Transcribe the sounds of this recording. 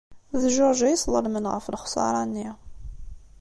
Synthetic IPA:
ðʒʊɾˤʒæjsˤlˤəlmənʁə̰flχsˤɑ̰ɾˤɑnːi

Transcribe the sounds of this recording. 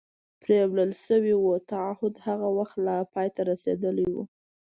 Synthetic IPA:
pɾewləlʃəwiwut̪aahʊd̪haɣawaxt̪lapɑjt̪aɾasḛd̪əliwṵ

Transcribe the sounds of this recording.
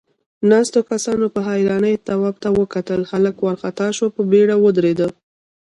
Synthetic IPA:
nɑst̪okasɑnopəɦɑjɾɑnəjt̪awɑb̚t̪awəkat̪əlxaləkwaɾxat̪ɑʃwopəbeɽawəd̪ɾed̪ə

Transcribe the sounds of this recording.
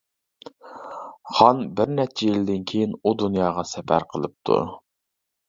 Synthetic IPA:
χɑnbɪɾnɛt͡ʃʰɛjild̪ɪnkʲʰejinud̪unjɑːʁɑsɛpæ̰ɾqʰəlˠɨp̚t̪ʰṵ

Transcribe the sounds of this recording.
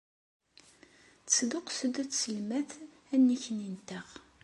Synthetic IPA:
sd̪ʊqsəd̪æt͡ssəlmæθ | ænːiçnint̪æʁ

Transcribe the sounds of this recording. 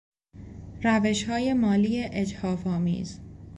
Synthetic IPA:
ɾæve̞ʃhɒːje̞mɒːliːjeʔed͡ʒhɒːfɒːmḭːz

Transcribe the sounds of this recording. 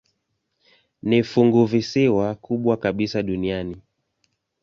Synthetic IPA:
nifuŋɡuvisiwakuɓwakaɓisaɗuniani

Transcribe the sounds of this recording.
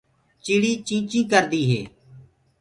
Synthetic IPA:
t͡ʃiːɽiːt͡ʃĩːt͡ʃĩːkəɾd̪iːɦḛː

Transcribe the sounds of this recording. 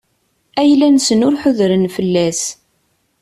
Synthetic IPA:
æjlænsənʊɾħʊðɾənfəlːæs

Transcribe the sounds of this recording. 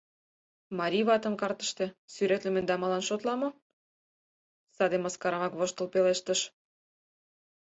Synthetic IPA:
mɑɾʲiβɑt̪ə̆mkɑrt̪ə̥̆ʃt̪e̽syɾet̪lĕmĕnd̪ɑmɑlɑnʃot̪lɑmo | sɑd̪emɑskɑɾɑmɑkβoʃt̪ə̆lpeleʃt̪əʃ

